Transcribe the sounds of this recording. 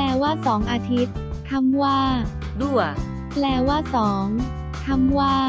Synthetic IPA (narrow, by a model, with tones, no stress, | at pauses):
lɛː˧waː˥˩sɔː˩˦ŋʔaː˧t̪ʰi˦˥t̪̚ʰː | a˧˥mwaː˥˩ | du˥˩ə | plɛː˧waː˥˩sɔː˩˦ŋ | t̪ʰa˧˥˩mwaː˥˩